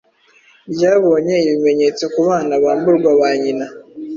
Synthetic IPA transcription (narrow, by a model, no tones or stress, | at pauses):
bjaːβo̞ːɲe̞iβime̞ɲe̞t͡so̞kuβaːnaβaːmbuɾɡwaβaɲina